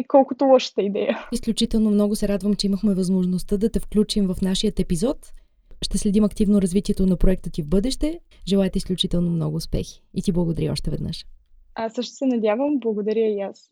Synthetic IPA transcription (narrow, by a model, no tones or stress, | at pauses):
kɔlˠkʊt̪olˠɔʃə̥t̪əid̪ɛjəisklʲut͡ʃit̪ɛlˠnomn̪ɔɡʊsɛɾad̪vəmt͡ʃɛiməxmɛvɐzmoʒnost̪əd̪ɐt̪ɛfklʲut͡ʃimvɐfn̪aʃiət̪ɛpizɔt̪ | ʃt̪ɛslɛd̪imɐkt̪ivnoɾɐzvit̪iɛt̪onɐpɾoɛk̚t̪ət̪ivbɤd̪ɛʃt̪ɛ | ʒɛlˠaɛt̪ɛisklʲut͡ʃit̪ɛlˠnomnɔɡʊːspɛ̰xi̥it̪iblˠɐɡod̪ɐɾiɔ̰ʃt̪ɛvɛd̪nɤ̰ʃ | asɤʃt̪o̥sɛnɐd̪ʲjavəmblˠɐɡod̪ɐɾʲəias